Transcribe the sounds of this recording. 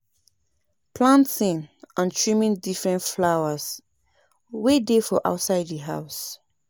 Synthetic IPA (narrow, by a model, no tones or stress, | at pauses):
pʰlãntĩnãnt͡ʃʰɹĩmĩndifɹɛ̃ntflawas | wedefɔʔa̰ʊtsaɪdðiɦaʊs